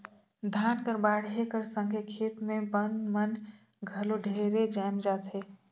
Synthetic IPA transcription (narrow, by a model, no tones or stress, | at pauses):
d̪ʱaːnkəɾbaːɽ̤ɦekəɾsəŋɡʱekʰeːt̪mẽbənmən | ɡʱəloɖʱeɾed͡ʒaːmd͡ʒaːt̪ɦeː